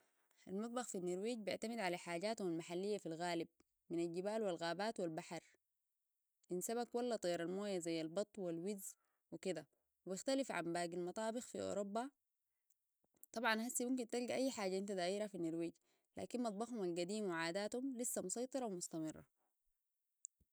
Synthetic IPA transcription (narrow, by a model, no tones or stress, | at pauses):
ʔa̰lmɑt̪ˤbɑxfinːiɾwiːɟbɪ̰ʕt̪amid̪ʕalaħaːɟaːt̪humalmaħalːijːafilɣaːlib̚ | minalɟibaːlwilɣaːbaːt̪wilbaħɑɾˤ | ʔinsabakwalːat̪ˤijɑɾalmoːjazajːalbɑt̪ˤːwilwiz | wikid̪a | wibɪxt̪alifʕa̰mbaːɡilmɑt̪ˤɑːbɪxfiʔo̰ːɾobːa | t̪ˤɑbʕɑnhasːimumk̬int̪ɑlɡaʔajːħaːɟaʔint̪ad̪aːʔiːɾafinːiɾwiːɟ | lʔa̰ːkinmɑt̪̚ˤbɑxhumalɡad̪iːmwiʕaːd̪aːt̪humlisːamʊsˤɑjt̪ˤɨɾˤɑwimʊst̪amɪrˤːɑ̰